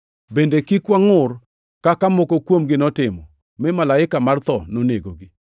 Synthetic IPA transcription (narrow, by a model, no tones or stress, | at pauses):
bendekikwaŋʊr | kakamokokwomɡɪnɔtɪmɔ̰ | mɪmalaɪkamart̪ɔnoneɡoɡɪ